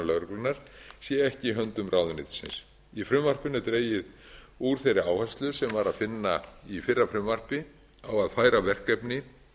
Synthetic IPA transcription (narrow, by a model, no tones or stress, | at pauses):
lœɣɾʏklɪnaɾ̥sjɛɛhcɪiɦœnt̪ʏmrʔaːwðʏnɪ̰t̪sɪ̰ns | ifɾʏmvar̥pɪnːʏt̪ɾeːjɪð | uɾ̥θejrɪaːwhanst̪lʏsɛmvaɾaðfɪnːaifɪrːafɾʏmar̥pɪ | awaðfaːjɾavɛr̥kɛpnɪ